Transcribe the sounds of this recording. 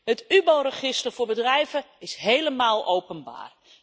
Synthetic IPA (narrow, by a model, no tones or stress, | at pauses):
ɦətybowrəχɪstərvʊːɹbədrɛjvə | ɪsɦejləmaːlˠowpənba̰ːr